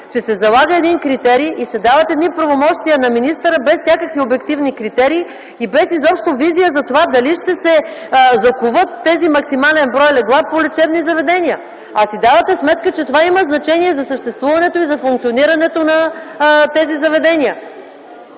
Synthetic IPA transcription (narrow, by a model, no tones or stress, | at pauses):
t͡ʃɛsɛzɐlˠaɡəɛd̪inkɾit̪ɛɾiːʔisɛd̪avət̪ɛd̪nipɾɐvomɔʃt̪iənɐminist̪əɾəbɛssʲjakəkviobɛkt̪ivnikɾit̪ɛɾiː | ibɛsizɔpʃt̪ovizijəzɐt̪ovad̪ɐliʃt̪ɛsɛzɐkuvət̪ːɛzimɐksimalɛnbɾɔjlɛɡlˠap̚polɛt͡ʃɛvnizɐvɛd̪ɛniə | ɐsid̪avɐt̪ɛsmɛt̪̚kət͡ʃɛt̪ovaiməznɐt͡ʃɛniɛzɐsəʃt̪ɛst̪vuvɐnɛt̪oizɐfuŋkt̪sioniɾɐnɛt̪onɐt̪ɛzizɐvɛd̪ɛniə